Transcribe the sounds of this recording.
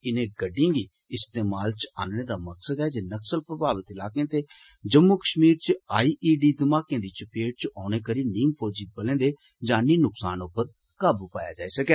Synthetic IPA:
ɪnẽːɡəɖːĩːɡiː | ɪst̪eːmaːlt͡ʃa̰ːnnẽːd̪aːməksəd̪ɛːd͡ʒeːnəksəlpɾəbʱaːʋət̪ɪlaːkẽːt̪eːd͡ʒəmːoːkəʃmiːɾt͡ʃaːiːʔiːɖiːd̪ɪmaːkẽːd̪iːt͡ʃpeːɖ̚t͡ʃʔɔːɽ̃eːkəɾiːniːmpʰoːd͡ʒiːbəlẽːd̪eː | d͡ʒãːnĩːnʊksaːnʊpːəɾ | kaːbpaːja̰ːd͡ʒaːiːsəkɛː

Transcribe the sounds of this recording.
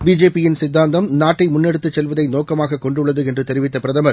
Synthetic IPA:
biːd͡ʒeːpːɪjɪnsɪd̪ːaːnd̪ɐmnaːʈːɐɪmʊnːɛɽɯt̪ːɯt͡ʃːɛlʋɐðɐɪnoːkɐmaːɣɐkːɔɳɖɯɭːɐðɯɛndrɯt̪ɛɾɪʋɪt̪ːɐpɪɾɐðɐmɐɾ

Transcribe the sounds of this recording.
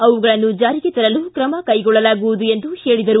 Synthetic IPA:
ɐʋuɡɐɭɐnːud͡ʒaːɾiɡet̪ɐɾɐlukɾɐmɐkɐjɡɔɭːɐlaːɡuʋud̪ue̞nd̪uheːɭid̪ɐɾu

